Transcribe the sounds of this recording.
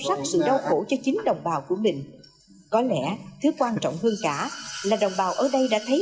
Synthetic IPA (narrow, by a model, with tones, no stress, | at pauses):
sa˦˥k̚sɨ̰˧˨ɗə˧wxo˧˩t͡ɕɔ˧t͡ɕï˨˦ŋ̟ɗə˨˩wŋ͡mɓaː˨˩wku˧˩əmï˨˩ŋ̟ | kɔ˨˦lɛ̰˧˩˥t̪ʰɨ˨˦kwaː˧nt͡ɕɔ̰˧˨wŋ͡mɦəː˧nkaː˧˩laː˨˩ɗə˨˩wŋ͡mɓaː˨˩wʔəː˧˩ɗə˧jɗa̰ː˧˥t̪ʰə˨˦j